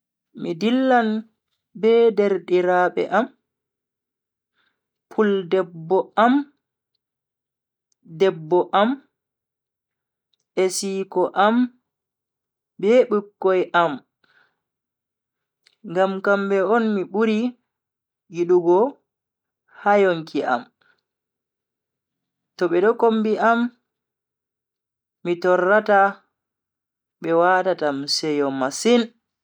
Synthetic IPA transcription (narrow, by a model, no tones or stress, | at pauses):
midilːan | bɛdɛɾɗiɾaɓɛ̰ʔam | pʰuldɛbːɔam | dɛbːɔʔam | ʔesiːkɔʔam | bɛɓɨkːɔjʔam | ŋɡamkambɛɔnmiɓuɾi | jiɗuɡɔ | hajoŋkiʔa̰m | tɔɓɛɗɔkombiʔam | itɔrːata | ɓɛwaːtatamsɛjɔmasin